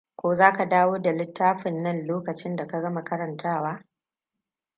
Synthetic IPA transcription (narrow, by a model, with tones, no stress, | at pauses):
kʷoː˦zaː˦ka˨daː˦woː˦da˨lɪ˦tːaː˦ɸɪ˨nːɐ˦nloː˦kɐ˨t͡ʃɪ˦nda˨ka˦ɡɐ˦mɐ˨kɐ˦ɾɐ˨ntʰaː˦˨waː˦